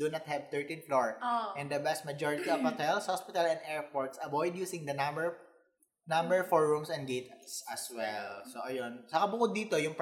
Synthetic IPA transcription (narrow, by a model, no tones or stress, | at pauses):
d̥̪unɐt̪̚hɛv̚t̪ɛɹt̪ĩnfloɹʔɛ̃nd̪ɐbɛst̪̚mɐd͡ʒoɹɪt̪iɔvhɔt̪ɛlshɔspɪt̪ɐlɛnd̪ɛɹpoɹt̪sɐbɔjd̪juːsɪ̃ŋd̪ɐnɐmbɛɹ | nɐ̃mbɛɹfɔɹːʊ̃msɛ̃nd̪ɡejt̪sɐswɛlsoʔɐjonsɐkɐbʊkʊd̪ːiːt̪ojʊŋp